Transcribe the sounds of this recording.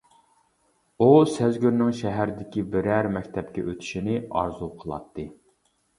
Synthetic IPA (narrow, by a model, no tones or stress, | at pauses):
usæzɡʲyɾnɪŋʃɛɦæɾd̪ɪkʲibɪɾæɾmɛkʲt̪ʰɛpkʲɛ̰ʔøt̪ʰi̥ʃinɪɑ̰ɾzuqʰəlˠɑ̰t̪ʰːɨ